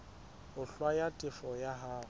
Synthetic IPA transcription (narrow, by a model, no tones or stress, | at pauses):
ʊɬwajatʼɪfɔjaɦaː